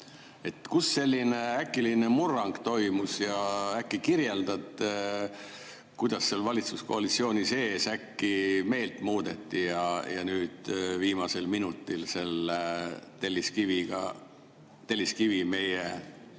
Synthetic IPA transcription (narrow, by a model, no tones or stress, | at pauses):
e̞t̪kusːe̞lʲːineækːˑiline̞murːɑŋɡ̥t̪o̞jmusjɑækːikiɾje̞ld̪̥ɑd̪ | kujd̪ɑsːe̞lvɑlʲit̪susko̞ɑlit̪sio̞ːnise̞ːsækːime̞ːlt̪ˑmuːd̪̥e̞t̪ˑːijɑjɑ̰nyːd̪̥viːmɑse̞lminut̪ːˑilse̞l | t̪elːiskiviɡ̥ɑ̰ | t̪e̞lːiskivime̞je